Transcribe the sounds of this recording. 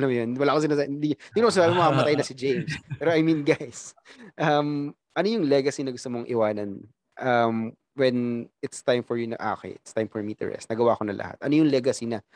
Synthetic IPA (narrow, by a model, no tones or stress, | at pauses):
ɐlɐmjonwɐlaːʔkos̬ɪnaːsaɪnd̪iɪɡnokosɪsaːbɪmɐɐkɐpɐt̪ajnɐsɪd͡ʒejmspɛːɾoʔɐjmĩnɡajs | ʔɐm | ʔɐnojʊŋlɛɡɐsinɐɡʊst̪omoŋʔɪwaːnɐn | ʔɐm | wɛnɪt̪st̪ajmfɔɹjʊnɐ̰ŋʔa̰ːkɛ̰ʔɪ̰t̪st̪ajmfɔɹmit̪ɛ̰ɹʔɛ̰st̪nɐɡɐwaːkonɐlʔɐ̰ha̰t̪̚ʔɐnojʊŋlɛɡɐsinɐ